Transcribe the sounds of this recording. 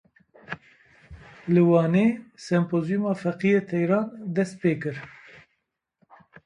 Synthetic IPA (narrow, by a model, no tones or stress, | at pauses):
lɨwɑːneːsɛmpoːzijumɑːfɛqijeːt̪ʰɛjɾɑːnd̪ɛst̪̚peːkɨɾ